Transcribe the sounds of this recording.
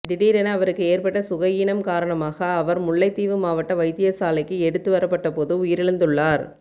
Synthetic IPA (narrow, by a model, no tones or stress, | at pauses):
ɖɪɽiːɾɛnɐɐʋɐɾɯkːɯeːɾpɐʈːɐsʊɣɐjɪnɐmkaːɾɐɳɐmaːɣɐːʋɐɾmʊɭːɐɪt̪ːiːʋɯmaːʋɐʈːɐʋɐɪt̪ːɪjɐsaːlɐɪkːɯɛɽɯt̪ːɯʋɐɾɐpːɐʈːɐpoːðɯʊjɪɾɪɻɯnd̪ɯɭːaːɾ